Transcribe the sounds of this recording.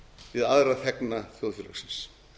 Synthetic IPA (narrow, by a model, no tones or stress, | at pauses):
vɪðaðɾaθɛknaθjowðfʏla̰sɪ̥ns